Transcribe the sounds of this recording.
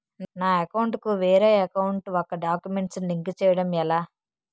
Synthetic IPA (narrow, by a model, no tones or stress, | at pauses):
naːɐkɐwɳʈkuʋɛːɾeːɐkɐwuɳʈɔkːɐɖaːkjume̞ɳʈsnliŋkit͡ʃɛːjɐɽɐmɛlaː